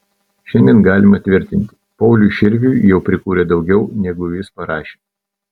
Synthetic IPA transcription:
ʃʲɛnʲd̪ʲɛnɡɑːlʲɪmɐt̪ʲʋʲɪɾʲt̪ʲɪnʲt̪ʲɪpɒʊlʲuʃʲɪɾʲʋʲuːjɛʊpʲɾʲɪkuːɾʲɛd̪ɒʊɡʲɛʊnʲɛɡʊjʲɪspɐɾɑːʃʲeː

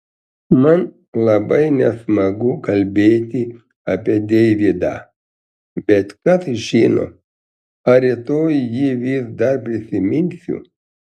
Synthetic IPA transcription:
mɐn | lˠɐbɐɪnʲɛsmɐɡʊkɐlʲbʲeːt̪ʲɪ | ɐpʲiɛd̪ʲɛʋʲid̪ɑ̰ | bʲɛt̪kɐsʒʲiːno̰ | ɐɾʲɪt̪oːjjiʋʲiːsd̪ɐɾpʲɾʲɪsʲɪmʲɪnʲsʲʊ̰

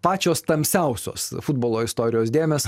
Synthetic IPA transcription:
pɑːt͡ʃʲoːst̪ɐmʲsʲɛʊsʲo̰ːsfʊd̪boːlˠoːɪst̪oːɾʲɪjoːsd̪ʲeːmʲeːs

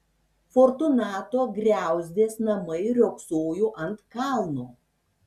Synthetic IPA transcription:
foːɾt̪ʊnɑːt̪oːɡɾʲæˑʊzʲd̪ʲeːsnɐmɐɪɾʲoːksoːjuːʔɐnt̪kɑˑlˠnuː

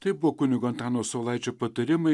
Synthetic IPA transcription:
t̪ɐɪbʊʋoːkʊnʲɪɡoːnt̪ʲɑːnoːsoːlˠɐɪt͡ʃʲoːpɐt̪ɐɾʲɪmɐɪ

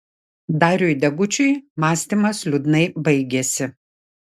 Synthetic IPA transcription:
d̪ɑːɾʲʊjd̪ʲɛɡʊt͡ʃʲʊjmɑːsʲt̪ʲimɐslʲʊd̪nɐɪbɐɪɡʲɛsʲɪ

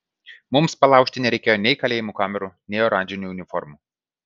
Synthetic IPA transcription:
mʊmspɐlˠɑˑʊkʲʃʲt̪ʲɪnʲɛɾʲɛɪkʲeːjoːnʲɛɪkɐlʲeːjɪmukɑːmʲɛɾunʲɛɪoɾɑnʲd͡ʒʲɪnʲuːʊnʲɪfɔ̰ɾmu

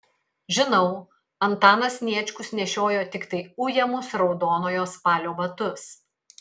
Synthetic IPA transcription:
ʒʲɪnɐʊ | ɐnt̪ɑːnɐsnʲiɛt͡ʃʲkʊsnʲɛʃʲoːjoːt̪ʲɪkt̪ɐɪʊjɛmʊsɾɒʊd̪oːnoːjoːspɑːlʲoːʋɐt̪ʊs

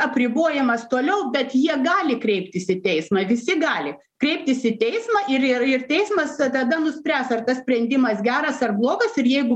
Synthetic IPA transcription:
ɐpʲɾʲɪboːjɛmɐst̪oːlʲɛʊbʲɛt̪jiɛɡɑːlʲɪkɾʲɛɪpʲt̪ʲɪsɪt̪ʲɛɪsmɐʋʲɪsʲɪɡɑːlʲɪ | kɾʲɛɪp̚tʲɪsɪt̪ʲɛɪsmɐʔɪɾɪɪrt̪ʲɛɪsmɐst̪ɐd̪ɐnʊsʲpʲɾʲæːsɐrt̪ɐsʲpʲɾʲɛnʲd̪ʲɪmɐsɡʲæːɾɐsɐrblˠoːɡɐsɪɾjɛɪɡʊ

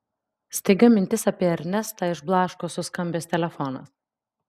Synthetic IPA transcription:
sʲt̪ʲɛɪɡɐmʲɪnʲt̪ʲɪsɐpʲiɛɐɾʲnʲɛst̪ɐɪʒblˠɑːʃkoːsʊskɐmʲbʲeːst̪ʲɛlʲɛfɔnɐ̰s

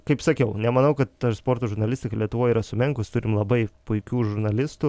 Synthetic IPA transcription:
kɐɪpsɐkʲɛʊnʲɛmɐnɐʊkɐt̪t̪ɐspoːɾt̪oːʒʊɾnɐlʲɪsʲt̪ʲɪkɐlʲiɛt̪ʊʋoːjiɾɐsʊmʲɪŋkʊst̪ʊɾʲɪmlˠɐbɐɪpʊɪkʲuːʒʊɾnɐlʲɪst̪ʊ

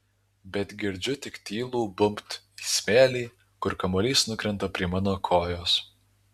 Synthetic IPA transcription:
bʲɛt̪ɡʲɪɾʲd͡ʒʲʊt̪ʲɪkt̪ʲiːlˠuːbʊmpt̪ | isʲmʲeːlʲiː | kʊɾkɐmoːlʲiːsnʊkɾʲɛnt̪ɐpʲɾʲiɛmɑːnoːkʰoːjoːs

